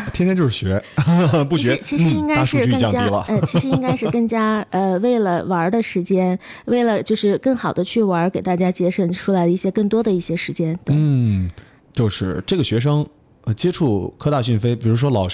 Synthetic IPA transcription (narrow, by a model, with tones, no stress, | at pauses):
t̪ʰjɛ˥nt̪ʰjnt͡ɕjo˥˧ʊʂ̩˥˩ɕɥɛ˧˥p̬u˥˩ɕɥɛ˧˥˧t͡ɕʰi˧˥ɻ̩˧˥i˥ŋka˥a˥˧ʂu˧˥˧t͡ɕy˥kŋt͡ɕjɑ˥˧ŋt͡ɕja˥i˧˥lə̰˨ə˥˩t͡ɕʰi˧˥ʂɻ̩˧˥i˧i˥ŋka˥ɪʂɻ̩˥˩kɤ˥˩ŋt͡ɕja˥ə˧we˥˩ɪlə˩wɐ˧˥d̪ə˧ʂɻ̩˧˥t͡ɕjɛ˥n | we˥˩ɪlə˩t͡ɕjo˥˧ʊʂɻ̩˥˧kɤ˥˩ŋxɑ˨˩ʊd̪ə˦t͡ɕʰy˥˩wɐ˧˥ke˨˩ɪt̪a˥˩t͡ɕja˥t͡ɕjɛ˥ʂə˥˩nʈ͡ʂʰu˥la˧˥ɪd̪ə˧i˥˩ɕjɛ˥kɤ˥˩ŋt̪̬wɔ˥d̪ə˨i˥˩ɕjɛ˥ʂɻ̩˧˥t͡ɕjɛ˥nt̪wn̩˩˥˩ | t͡ɕjo˥˧ʊʂɻ̩˥˩ʈ͡ʂɤ˥˩ɡə˩ɕɥɛ˧˥ʂ̬ɤ˥ŋ | ə˧t͡ɕjɛ˥ʈ͡ʂʰu˥˩kʰɤ˥˧t̪a˥˧ɕy˥˩nfe˥ɪpi˨˩ɻu˧˥ʂ̬wɔ˥lɑ˨˩ʊʂ